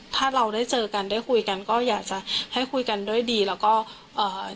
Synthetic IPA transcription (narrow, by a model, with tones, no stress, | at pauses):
t̪ʰaː˥˩ɾa˧wdaː˥˩jt͡ɕɤː˧ka˧ndaː˥˩jkʰu˧jka˧nkɔː˥˩jaː˨˩k̚t͡ɕa˧˦ʔha˥˩jkʰu˧jka˧ndu˥˩əjdiː˧lɛː˦˥wkɔː˥˩ | ʔɤː˨˩